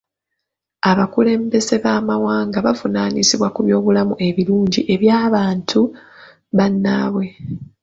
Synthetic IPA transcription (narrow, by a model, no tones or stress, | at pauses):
aβakule̞ːmbe̞ze̞βaːmawaːŋɡaβavunaːnisiβwakuβjo̞ːβulamuʔe̞βiluːɲɟiʔe̞βjaːβaːntʰu | βanːaːβwe̞